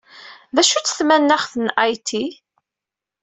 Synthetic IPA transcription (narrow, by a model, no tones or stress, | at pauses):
ðæʃut͡sːə̥θmænːæχθənʔajt̪ʰi